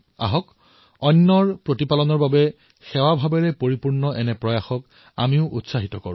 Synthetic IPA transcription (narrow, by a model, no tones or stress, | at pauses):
a̰ɦɔk | ɔnːɔɹpɹotipalɔnɔɹbabɛ | xɛwabʱabɛɹɛpoɹipuɹnɔʔɛnɛpɹɔjaxɔk | a̰miʊʔutsaɦitɔkɔɹʊ̃